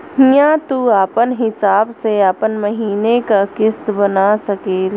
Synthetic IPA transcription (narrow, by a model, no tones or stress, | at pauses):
ɦijãt̪uaːpənɦɪsaːbseaːpənməɦiːnekakɪst̪bənasɐkeːl